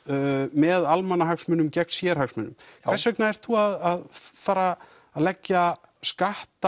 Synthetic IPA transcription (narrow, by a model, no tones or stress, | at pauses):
mɛðalmanːaɦaksmʏnːʏmcɛknsjɛɾ̥haksmʏnːʏmkkʰvɛsɛknaɛɾ̥t̪θuaðaðfaːɾaː | ðlɛcːa | skaht̪a